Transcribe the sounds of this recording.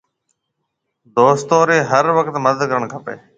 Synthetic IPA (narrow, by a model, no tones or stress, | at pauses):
d̪oːst̪oːɾeːɦəɾʋəkt̪məd̪əd̪kəɾəɳkʰəpḛː